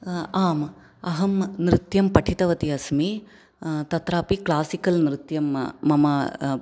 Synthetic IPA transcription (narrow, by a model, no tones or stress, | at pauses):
aːm | ɐɦɐmnɾɪt̪jɐmpɐʈʰit̪ɐʋɐt̪iɐsmi | t̪ɐt̪ɾaːpiklaːsikɐlnɾɪt̪jɐmːɐmɐ